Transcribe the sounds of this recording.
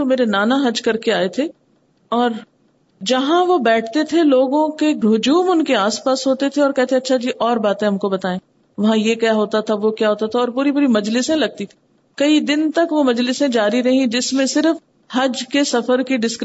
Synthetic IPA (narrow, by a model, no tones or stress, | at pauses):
omeːɾenaːnaɦɐd͡ʒkɐɾkeaːet̪ʰe | ɔːɾ | d͡ʒɐɦãʋobɛːʈʰt̪et̪ʰeloːɡõkeɡɾoːd͡ʒuːmʊnkeaːspaːsɦoːt̪et̪ʰeɔːɾkɛɦt̪ʰẽɐtːʃʰad͡ʒiːʔɔːɾbaːt̪ẽɦɐmkobɐt̪aːẽː | ʋɐɦãjekjaɦoːt̪at̪ʰaʋokjaːɦoːt̪at̪ʰaɔːɾpuːɾipuːɾimɐd͡ʒlɪsẽlɐɡ̚t̪it̪ʰi̥ | kɐid̪ɪnt̪ɐkʋomɐd͡ʒlɪsẽd͡ʒaːɾiɾɐɦĩd͡ʒɪsmẽsɪɾf | hɐd͡ʒkesɐfəɾkiɖɪsk